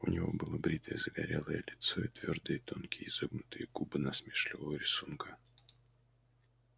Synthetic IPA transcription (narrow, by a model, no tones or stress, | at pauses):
ʊ̰nʲɪvo̞̰bɨlˠəbɾʲit̪ʰəjəzəɡɐɾʲelˠəjəlʲɪt̪soit̪vʲord̪ɨjət̪onkʲɪjizɨbnʊt̪ɨjəɡ̥ubɨnɐsmʲɪʂlʲɪvəvəɾʲɪsunkʰə